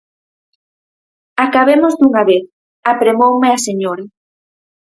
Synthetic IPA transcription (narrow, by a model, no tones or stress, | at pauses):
akaβemozduŋaβeθ | apɾemowmeaseɲoɾa